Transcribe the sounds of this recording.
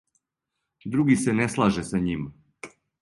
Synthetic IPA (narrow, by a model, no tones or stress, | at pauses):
d̪ɾuɡiseneslˠaʒesaɲim